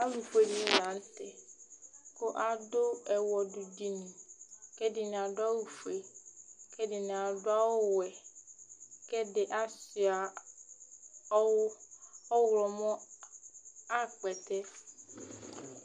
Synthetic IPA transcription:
a˦lu˨ɸe˦ni˦lã˨˦n˦t̪ɛ˨ | ko˦ʔa˦do˦ɛ˨wɔ˨ɖu˨di˨nĩ˨kɛ˦di˨ñ˨a˨ɖo˦a˦wu˨fu˨e˨kɛ˦dɪ˨nẽ˨a˨ɖo˦a˦wo˦wɛ˨ | kɛ˦de˨ʔa˦si˨a˨˦ | wɔ˦wlɔ˨mɔ̃˦ | a˦k͡pɛ˨t̪ɛ˦

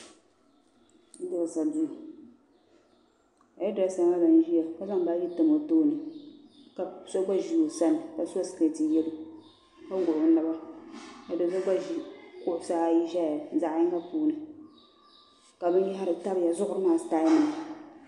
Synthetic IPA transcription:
dɪ˨ɾsa˨du˦˨ | a˨jɛ˦da˨˦sa˦ma˦ba˨n˦ʒi˦ja˨ka˦za˦ŋbaː˦ji˦tɨ˨mo˨toː˦nɨ˨ | ka˨˦so˦ɡ͡ba˦ʒi˨jo˨sa˦nɨ˨ka˨sa˦sɨ̥˨ke˦˨tɨ˨jɛ˦lu˦ | ka˦ɡo˨ʔʊ˨˦nɨ˦ba˦ka˨dɨ˨so˦ɡ͡ba˦ʒi˨kʊ˦ʔʊ˨sa˦ji˦ʒa˦ja˨za˨ʔji˦ŋka˦puː˦nɨ˨ | ka˨bɨ˦n˦ji˦ɦa˦ɾɨ˨ta˦bɨ˨ja˨zʊ˦ʔʊ˦ɾɨ˦maː˦˨staː˦nɨ˨

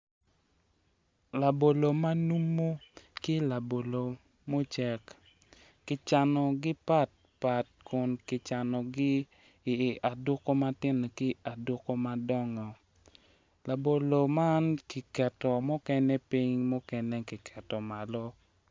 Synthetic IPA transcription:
la˨bo˨lo˨ma˦nu˦mːo˦kɪ˦la˨bo˨lo˨ | mo˦t͡ʃɛ˨kː | ɪ˨t͡ʃa˨nɔ˨ɡɪ˦pa˦t̚ | pa˨t̚kʊ˨nkɪ˨t͡ʃa˨nɔ˨ɡɪ˦˨ | a˨do˦ko˦ma˦tɪ˦n˨kɪ˦a˨dwo˦ko˦ma˦dɔ˦ŋɔ˨ | la˨bo˨lo˨ma˦nki˨kɛ˨tɔ˨mɔ˦kɛ˦nɛ˦pi˦ŋmɔ˦kɛnɛ˦kɪ˨kʰɛ˨tɔ˨ma˨lɔ˦

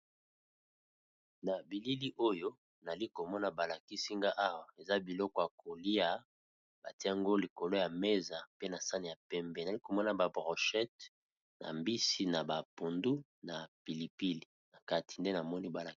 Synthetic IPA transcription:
na˨bi˨li˦li˦ʔo˦jo˦ | na˨li˦ko˨mɔ˦na˦˨ba˨la˨ki˦si˦ŋɡa˦ʔa˦wa˨e˨za˦bi˨lɔ˦kɔ˨ja˨kʰo˨li˦a˦ | ba˨ti˦a˨ŋɡo˦li˨ko˨lo˦ja˨me˦za˨pe˦na˨sa˦ni˨ja˨pɛ˦mbɛ˦na˨li˦ko˨mɔ˦na˨ba˨bʁɔ˨ʃɛ˦t̚ | na̰˨mbi˦si˦na˨ba˨po˨ndu˦ | na˨pi˨li˨pi˦li˨na˨ka˦ti̥˨nde˦na˨mɔ˦ni˦ba˨la˨

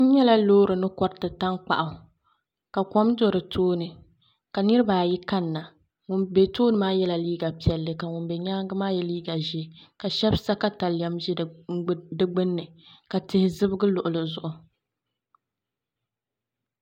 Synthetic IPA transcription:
ɲɛ˦la˦loː˦ɾɨ˨nɨ˦kɔ˦ɾtɨ˨ta˦ŋk͡pa̰˨ʔa˨ | ka˨kɔ˦mdo˦ɾɨ˨tʰoː˦nɨ˨ | ka˨nɨ˦ɾɨ˦baː˨ji˦ka˦nːa˨ | ŋʊ˨nbe˨toː˦nɨ˨maː˦jɛ˦la˨liː˦ɡa˨pi˨ɛ˨lːɨ˨ka˨ŋʊ˨nbɛ˨ɲaː˦ɡɨ˦maː˦jɛ˨liː˦ɡa˨ʒɪ˦ka˨ʃɛ˦bsa˦ka˦ta˨ljɛ˦mʒi˦˨˦dɨ˦ɡ͡bɨ˦nːɨ˨ka˨tɪ˦hɪ˦zɨ˦bɨ˦ɡɨ˦lʊ˨ʔʊ˨lɨ˨zʊ˨ʔʊ˨

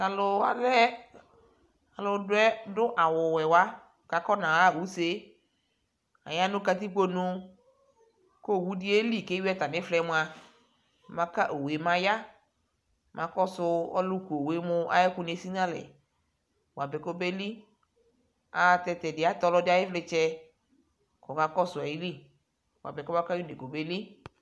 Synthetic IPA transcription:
a˨lʊ˨a̰˨lɛ˦ | a˨lʊ˨dʊ˦ɛ˦dʊ˦ʔa˨wʊ˨wɛ˨wa˦ | ka˨kɔ˦nã˨a˦˨wu˨˦se˦ | a̰˨ja˦nʊ̃˦ka˨t̪i˦ɡ͡bo˦nʊ˦ | ko˦˨wu˦dɪ˦e˦li˦˨ke˦ɛ˦t̪a˨nɪ̃˦flɛ˦mʊ̃˦a˨ | mã˨ka˦ʔo˨we˨mã˨ja˦ | mʔã˨kɔ˦sʊ˧ɔ̰˦lʊ˦ku˨o˨we˨˦mʊ˧a̰˦jɛ˦ku˦ne˨˦si˦nã˦lɛ̰˨ | wa˨bɛ˨ko˦be˦li˦ | a˨˧t̪ɛ˧t̪ɛ˨dɪ˨a˦t̪ɔ˧lɔ˧˦dɪ˦a˦jɪ˦flɪ˧t͡ʃɛ˦ | kɔ˨ka˦kɔ˦sʊ˨a˨ji˦li˦ | wa̰˨bɛ˨ko˦ma˦ka˦u˦ne˨ko˨be˦li˦

